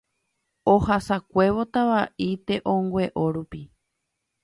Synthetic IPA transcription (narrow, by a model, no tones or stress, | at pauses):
ohasakʷe̞βo̞t̪aβaʔit̪e̞ʔõŋɡʷe̞ʔo̞ɾupi